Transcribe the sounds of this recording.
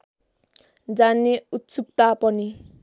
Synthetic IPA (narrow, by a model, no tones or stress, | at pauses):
d͡zaneut̪t͡suk̚t̪apʌni